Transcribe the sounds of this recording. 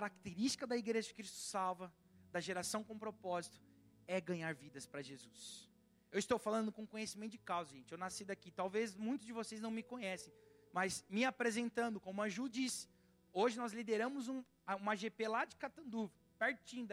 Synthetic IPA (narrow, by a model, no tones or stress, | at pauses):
kaɾak̚t̪eɾist͡ʃi̥kɐd̪ɐiɡɾeʒɐd͡ʒɪ̥kɾist̪ʊ̥sawvɐ | d̪ɐʒeɾasɐ̃w̃kõpɾopɔzit̪ʊ̥ | ɛɡɐ̃ɲaɾvid̪ɐspɾɐʒezus | ewɪst̪owfalɐ̃nd̪ʊkõkõɲesimẽnt̪ʊd͡ʒɪkawzʊʒẽnt͡ʃɪewnasid̪akit̪awvezmũj̃t̪ʊzd͡ʒɪvosejznɐ̃w̃mɪkõɲɛsẽj̃ | mɐzmɪapɾezẽnt̪ɐ̃nd̪ʊkõmʊ̃ɐʒud͡ʒisɪ̥ | oʒɪnɔzlid̪eɾɐ̃mʊzũ | ɐũmɐʒepelad͡ʒɪkat̪ɐ̃d̪uv | paɾt͡ʃĩd̪